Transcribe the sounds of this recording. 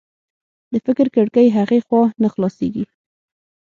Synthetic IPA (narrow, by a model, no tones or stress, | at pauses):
d̪əfɪkɪɾkəɽkəjɦaɣexwɑnaxlɑsḛɡi